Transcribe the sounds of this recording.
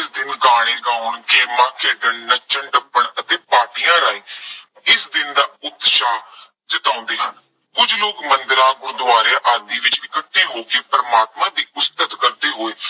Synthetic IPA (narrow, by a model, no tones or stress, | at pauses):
sd̪ɪnɡaːɽ̃ẽːɡaːʊnkeːmãːkeːd̪əɳːət͡ʃəɳɖəpːəɳət̪ẽːpaːʈijãːɾaːeː | ɪsd̪ɪnd̪aːʊd̪ːʃaː | d͡ʒɪt̪ãːnd̪eːɦən | kʊd͡ʒloːkmənd̪ɪɾãːɡʊ̃ːd̪ʊaːɾeːʔaːd̪iːʋɪt͡ʃɪkəʈːeːɦoːkeːpəɾmaːt̪mãːd̪iːɡʊst̪ət̪kəɾd̪eːɦoːeː